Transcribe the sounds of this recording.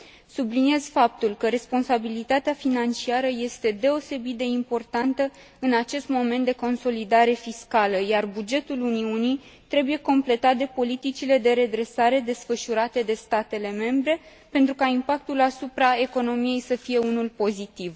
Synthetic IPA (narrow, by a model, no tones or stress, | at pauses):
sublinie̞z̥fap̚t̪ulkəɾe̞spo̞nsabilit̪at̪eafinant͡ʃiaɾəje̞st̪e̞d̪e̞o̞se̞bit̪̚d̪e̞impo̞rt̪ant̪ə | ɨnat͡ʃe̞st̪mo̞me̞nt̪d̪e̞ko̞nso̞lid̪aɾe̞fiskaləjarbud͡ʒe̞t̪uluniunij | t̪ɾe̞buje̞ko̞mple̞t̪at̪̚d̪e̞po̞lit̪it͡ʃile̞d̪e̞ɾe̞d̪ɾe̞saɾe̞d̪e̞sfəʃuɾat̪e̞d̪e̞st̪at̪e̞le̞me̞mbɾe̞ | pe̞nt̪ɾukaimpak̚t̪ulasupɾae̞ko̞no̞mije̞jsəfije̞unulpo̞zit̪iv